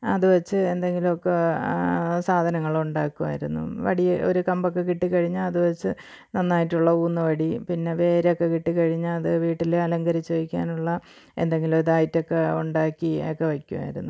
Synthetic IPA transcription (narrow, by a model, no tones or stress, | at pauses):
ɐ̰ðuʋɐt͡ɕːɨend̪eŋɡilumokːe | saːd̪ʱɐnɐŋːɐɭuɳɖaːkːuʋa̰ːjiɾunːṵʋɐ̰ɽijo̞̰ɾukɐmbokːe̞kiʈːikɐɻiɲːɐːðuʋɐt͡ɕːɨ | nɐnːaːjitːuɭːɐuːnːɐʋɐɽipinːe̞ʋe̞ːɾeokːe̞kiʈːikɐɻiɲːɐːðɨʋiːʈːilɐlɐŋɡɐɾit͡ɕːoʋikʲːaːnuɭːɐ | e̞̰nd̪eŋɡiloðaːjitːo̞kːeuɳɖaːkːiokːe̞ʋɐkʲːuʋa̰ːjiɾunːu